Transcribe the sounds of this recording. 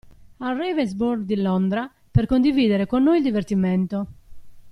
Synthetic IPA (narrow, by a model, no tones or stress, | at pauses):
arːɛvezbuɾɡd̪ilɔnd̪ɾa | perkond̪iviːd̪eɾekonːojld̪ivert̪iment̪o